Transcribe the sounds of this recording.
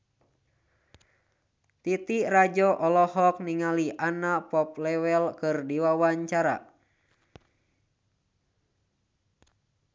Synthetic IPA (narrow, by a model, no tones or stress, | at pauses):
t̪it̪irad͡ʒɔʔɔlɔhɔk̚niŋaliʔanapɔp̚lɛwɛlkɨrdiwawaɲt͡ʃaɾa̰